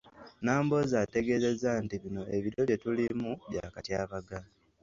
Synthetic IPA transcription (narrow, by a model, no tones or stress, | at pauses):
naːmbo̞zaːte̞ɡe̞ːze̞zantiβino̞e̞βiɾjoβje̞tulimuβja̰katjaːβaɡa